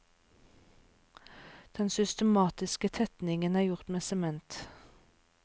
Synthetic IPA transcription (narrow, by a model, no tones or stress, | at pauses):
d̪̥ɛnsʏst̪əmɑːt̪ɪskət̪ʰɛt̪nɪŋənæːʁjʊʁt̪meːsɛmɛnt̪